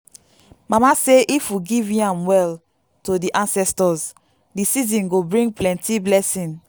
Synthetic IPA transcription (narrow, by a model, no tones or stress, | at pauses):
mamaseʔifuɡivĩãmwɛl | todiʔãnsɛstɔz | disizĩnɡobɹĩŋɡplɛ̃ntiblɛsĩn